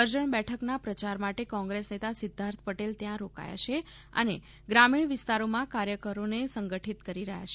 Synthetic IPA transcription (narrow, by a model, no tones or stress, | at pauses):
əɾd͡ʒəɳbɛʈʰəknapɾət͡ʃaɾmaʈekɔ̃ŋɡɾesnet̪asɪd̪ʱːaɾt̪ʰpəʈelt̪jãɾoka̰ja̰ʃʰe | ə̰ne | ɡɾamiɳʋɪst̪aɾomãkaɾjəkəɾonesəŋɡəʈʰit̪kəɾiɾəɦa̰t͡ʃʰe